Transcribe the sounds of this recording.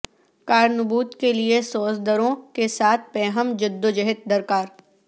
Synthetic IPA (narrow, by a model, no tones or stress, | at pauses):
kaːɾnʊbuːt̪keliesoːsd̪əɾõkesaːt̪̚ʰpɛːɦəmd͡ʒɪd̪ːod͡ʒɐɦɪt̪̚d̪ɐɾkaːɾ